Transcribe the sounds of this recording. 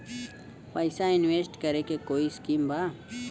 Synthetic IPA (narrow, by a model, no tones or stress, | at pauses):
pajsainwesʈ̪kaɾekekoiskimba